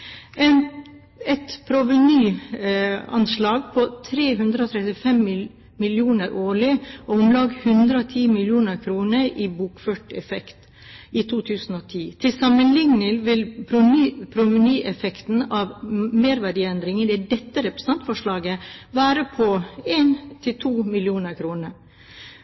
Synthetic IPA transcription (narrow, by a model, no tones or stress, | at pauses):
ɛn | ɛt̪pʰɾʊʋənyː | ɑ̰nslɑːɡpʰɔt̪ʰɾeːɦʉnd̪ɾəɔːt̪ʰɾɛt̪ɪfɛmɪ | mɪljuːnəɾʔoːɭɪɔʊmlɑːɡhʉnd̪ɾəɔːt̪ʰiːmɪljuːnəɾkʰɾuːnəɾibuːkføːʈɛfɛkt̪ | ʔit̪ʰuːt̪ʰʉːsn̩oːt̪ʰiːt̪ʰɪlsɑmənlɪŋnəlʋɪlpʰɾʊnyːpʰɾʊmɪnyːʔɛfɛkt̪n̩ɑːʋmeːɾʋæɖiːɛnd̪ɾɪŋənd̪ɛædɛt̪ːəɾɛpɾəsn̩ɑnt̪fɔʂɭɑːɡəʋæːɾəpʰɔeːnt̪ʰɪlt̪ʰuːmɪljuːnəɾkʰɾuːnəɾ